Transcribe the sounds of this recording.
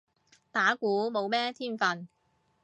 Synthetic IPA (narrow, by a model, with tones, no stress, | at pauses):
t̪aː˨˥kuː˨˥mo˨˧wmɛː˥t̪ʰiː˥˩nfɐ˨n